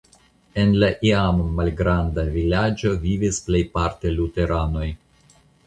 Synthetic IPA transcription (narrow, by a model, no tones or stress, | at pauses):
e̞nlaʔiammalɡɾandavilad͡ʒo̞vivisplejpaɾte̞lute̞ɾano̞j